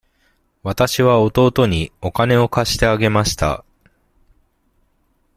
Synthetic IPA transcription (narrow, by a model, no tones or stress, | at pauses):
βat̪aɕiβao̞t̪o̞ːt̪o̞ɲ̟io̞kane̞o̞kaɕi̥t̪e̞aɡe̞maɕi̥t̪a̰